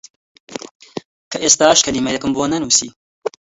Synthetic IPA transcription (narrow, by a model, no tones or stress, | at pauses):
kʰɐʔeːst̪aːʃkʰɐliːmɐjɐkɨmbonɐnuːsḭː